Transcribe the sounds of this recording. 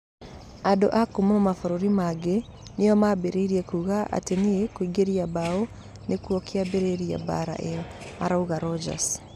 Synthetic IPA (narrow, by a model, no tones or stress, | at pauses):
ado̰ʔakumamɔmafɔɾoɾimaɡe | nejɔmabeɾeiɾiɛkuɣaʔa̰teniekwiɡeɾiabao | nekuɔkeabeɾeɾia̰ba̰ɾa̰ʔeɔma̰ɾauɣaɾɔd͡ʒa̰s